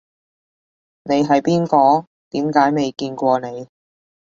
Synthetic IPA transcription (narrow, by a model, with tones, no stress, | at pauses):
ne˨˧jɦɐ˨jpiː˥nkɔː˧ | t̪iː˨˥mkaː˨˥jme˨jkiː˧nkʷɔː˧ne˨˧j